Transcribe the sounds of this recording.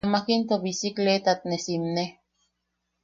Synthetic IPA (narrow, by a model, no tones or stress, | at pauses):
makint̪oβisiklet̪at̪̚nesimne